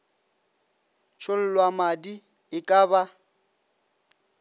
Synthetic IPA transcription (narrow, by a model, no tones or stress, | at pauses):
t͡ʃʰʊl̩lwamadi | ɪkʼaːba